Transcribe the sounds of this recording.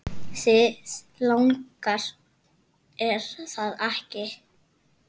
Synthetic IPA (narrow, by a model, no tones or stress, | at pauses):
sɪs | lawŋkaɾ̥ | ɛɾθaðahcɪ